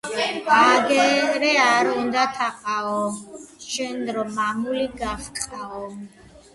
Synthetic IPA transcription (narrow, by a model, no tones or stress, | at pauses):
aɡɛɾɛaɾund̪at̪ʰaqʼaɔmʃɛnɾɔmamuliɡafkʼqʼaɔm